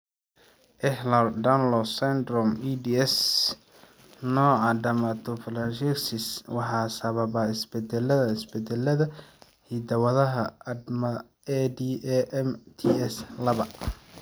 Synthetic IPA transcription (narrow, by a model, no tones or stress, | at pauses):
ʔɛhlɔrdanlɔsɛnd̪ɾɔmid̪iɛs | nɔːʕɑɖɐmat̪ʰɔflanʃɛksɪswɑħɑːsɐβɐβaɪsbɛd̪ɛlɐðɐɪsbɛd̪ɛlɐðɐ | hid̪ɐwɐðɐɦɐɐd̪mɐ | ɛd̪iɛʔɛmt̪ʰiɛslɐβɐ